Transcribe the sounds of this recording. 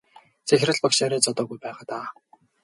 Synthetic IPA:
t͡sʰæxʲrə̆ɮpakʃaːɾiːt͡sɔt̪ɔːɣujpæːʁaːt̪aː

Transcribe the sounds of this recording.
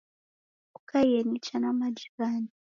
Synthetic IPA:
kukajenit͡ʃanamad͡ʒiβaːni

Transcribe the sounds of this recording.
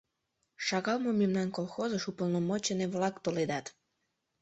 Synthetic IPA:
ʃɑɣɑlˠmomemnɑnkolˠxozəʃupəlˠnomot͡ɕeneβlɑkt̪oled̪ɑt̪

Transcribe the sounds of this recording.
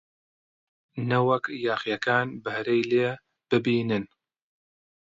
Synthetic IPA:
nɐwɐkjaːxjɐkaːnbɨhɾejleː | b̥ɨbiːnɨn

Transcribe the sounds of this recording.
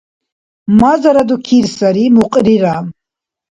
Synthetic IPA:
mazaɾad̪ukʰiɾsaɾimuqʼɾiɾa

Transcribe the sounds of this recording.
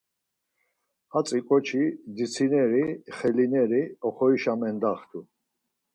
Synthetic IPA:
hat͡sʼikʼɔt͡ʃʰid̪it͡sʰinɛɾiχɛlinɛɾiɔχɔiʃamɛnd̪aχt̪ʰu

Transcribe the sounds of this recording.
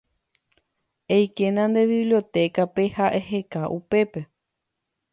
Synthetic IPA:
ejkenãnd̪e̞ʋiβlio̞t̪e̞kape̞haʔeɦe̞kaʔupe̞pe̞

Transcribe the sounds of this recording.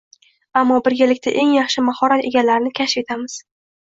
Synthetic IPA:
amːɒbɪɾɡʲalɪk̚ʲt̪ʰaʔe̞ŋjɑχʃɪmahɒɾat̪e̞ɡʲalaɾnɪkʲʰaʃɪ̥fe̞t̪ʰamɪz̥

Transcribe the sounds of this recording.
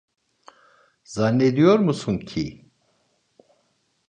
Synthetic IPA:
zanːed̪ijoɾmusuncʰi

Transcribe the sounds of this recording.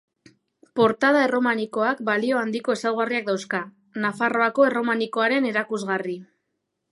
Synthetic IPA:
po̞ɾt̪að̞ae̞ro̞maniko̞akbalio̞and̪iko̞e̞sawɣariak̚d̪awska | nafaro̞ako̞e̞ro̞maniko̞aɾe̞ne̞ɾakuzɣari

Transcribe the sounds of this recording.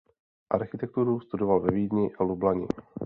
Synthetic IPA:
ʔa̰ɾxɪt̪ɛk̚t̪uɾust̪udovalvɛviːdɲɪʔalublaɲɪ̰

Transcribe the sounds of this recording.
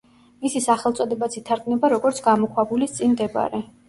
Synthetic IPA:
misisaχɛlˠt̪sʼɔd̪ɛbat̪sʰit̪ʰaɾɡʼnɛbaɾɔɡɔɾtsʰɡamɔkʰwabulist̪sʼinmd̪ɛba̰ɾɛ

